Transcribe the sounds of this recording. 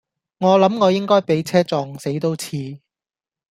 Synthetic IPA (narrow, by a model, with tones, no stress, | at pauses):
ŋɔː˨˧lɐ˨˥mŋɔː˨˧jɪ˥ŋkɔː˥jpe˨˥jt͡sʰɛː˥t͡sɔː˧ŋse˨˥jt̪o˥wt͡sʰiː˧